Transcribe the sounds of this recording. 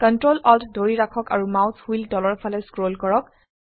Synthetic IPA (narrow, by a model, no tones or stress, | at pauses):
kɔntɹolɔltdoɹiɹakʰɔka̰ɹumawtʰhildɔlɔɹpʰalɛskɹolkɔɹɔk̚